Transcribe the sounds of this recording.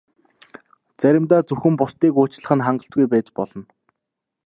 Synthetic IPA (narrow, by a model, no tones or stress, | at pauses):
t͡sæɾʲɪ̆mt̪aːt͡sɵxɘ̆mpʊst̪iːkoːt͡ɕɮə̆χɘ̆nχaɴɢə̆ɬt̪̚ɡujpæːt͡ɕpɔɮɞ̆n